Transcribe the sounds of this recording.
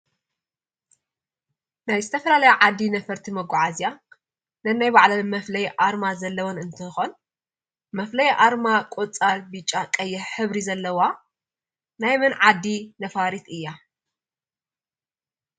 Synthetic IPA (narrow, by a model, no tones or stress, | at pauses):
najzɨt̪ʰɐfɐlalɐjaʕad̪ːinɐfɐɾt̪ʰimɐɡɔʕazja | nɐnajbaʕlɐmɐflɐjʔaɾmazɐlːɐwonɨnt̪ʰɨxon | mɐflɐjʔaɾmakʼot͡sʼalbɨt͡ʃʼakʼɐjːɛħħɨβɾizɐlːɐwa | najmɨnʕad̪ːinɐfaɾit̪ɨjːa